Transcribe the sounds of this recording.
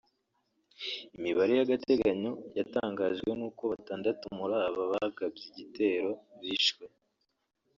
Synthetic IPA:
imiβaɾejaɡatʰe̞ɡaɲo̞jataːŋɡaʒɡwe̞nuːko̞βataːndatumuɾaːβaβaɡabɟiɟite̞ːɾo̞βiʃɡwe

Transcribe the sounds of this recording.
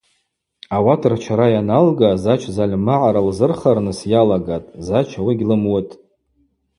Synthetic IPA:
awatʰɨrt͡ʃʰaɾajanalɡazat͡ʃʰzalʲmaʕaɾalzɨrχarnɨsjalaɡatʼzat͡ʃʰawiɡʲlɨmwʊtʼ

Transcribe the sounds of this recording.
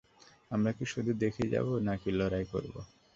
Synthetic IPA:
amɾakiʃud̪ʱud̪ekʰid͡ʑa̰bonakilɔɾajko̰ɾbo̰

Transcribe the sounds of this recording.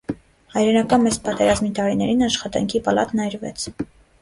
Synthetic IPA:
hɑjɾɛnɑkɑnmɛt͡spɑt̪ɛɾɑzmit̪ɑɾinɛɾinɑʃχɑt̪ɑ̰ŋkʰipɑlɑ̰t̪nɑjɾvɛ̰t͡sʰ

